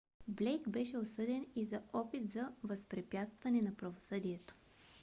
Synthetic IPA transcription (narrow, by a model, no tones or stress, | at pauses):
blɛjkbɛʃɛosɤd̪ɛnizɐɔpit̪zɐvɐspɾɛpʲjat̪st̪vɐnɛnɐpɾɐvosɤd̪iɛt̪o̥